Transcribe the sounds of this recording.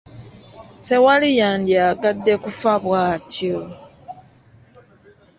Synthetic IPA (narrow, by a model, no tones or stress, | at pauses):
te̞walijaːndjaɡadːe̞kufaβwaːtʰjo